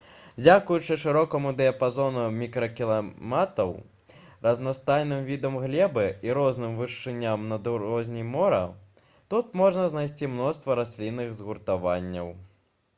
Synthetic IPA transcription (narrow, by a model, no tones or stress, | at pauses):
d͡zʲakujut͡ʂɨʂɨɾɔkɐmud̪ɛɐpazɔnumʲikɾɐkʲilˠamat̪ɐw | rɐznast̪ajnɨmvʲid̪ɐmɣlʲɛbɨiɾɔznɨmvɨʂt͡ʂːɨnʲːamnɐd̪ɾɔzʲnʲijmɔɾɐ̰ | t̪ut̪mɔʐnɐznajs̬ʲt͡sʲimnɔst̪vɐɾasʲlʲinːɨɣzɣurt̪avanʲːɐw